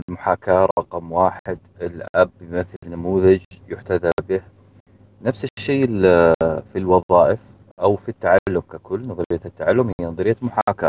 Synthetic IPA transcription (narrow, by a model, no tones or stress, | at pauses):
ɪlmʊħaːkaːɾˤɾˤɑqɑmwaːħɪd̪ɪlʔabjmɪθlnːamuːðad͡ʒjʊħt̪aðabɪh | nafsɪʃːeː | filwɑðˤɑːʔɪf | ʔawfit̪ːaʕallːʊmkakʊlːnɑðˤɾɪjːat̪ːaʕalːʊmhɪjːanɑðˤɾɪjːamʊħaka̰ː